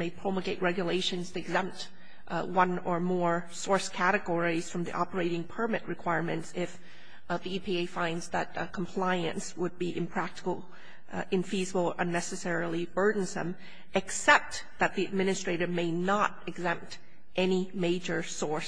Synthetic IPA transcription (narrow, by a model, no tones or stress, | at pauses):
meɪpʰɹ̥õʊməɡeɪʔ̚ɹɛɡjɨleɪʃɨ̃nz̥tʰɨɨɡzɛ̃mp̚t | wʌ̃nə˞mɔɹsɔɹskʰæɾɨɡɔɹiz̥fɹʌ̃mðḭʔɑpə˞eɪɾɪ̃ŋpʰə˞mɨʔ̚ɹɨkʰw̥aɪɹmɨ̰̃ntsɪf | ðiipʰieɪfãɪ̃ndzðɨt̚kʰm̩pʰl̥aɪɨ̰̃nswəd̚biʔɨ̃mpʰɹ̥æk̚tə̥kl̩ˠ | ɨ̃ɱfizəbl̩ˠəʔə̃nːɛsɨsɛɹl̩ˠibɜ˞dⁿn̩zðə̰̃m | ɨksɛp̚t̪ | ðɨt̪̚ðiɨd̚mɪ̃nɨstɹ̥eɪɾɨ˞meɪnəɾɨɡzɛ̃mp̚t | ʔɛnimeɪd͡ʒə˞sɔɹs